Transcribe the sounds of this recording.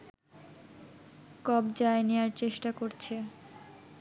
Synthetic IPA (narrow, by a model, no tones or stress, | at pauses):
kɔbd͡ʑaenewaɾt͡ɕeʃʈakoɾt͡ɕʰe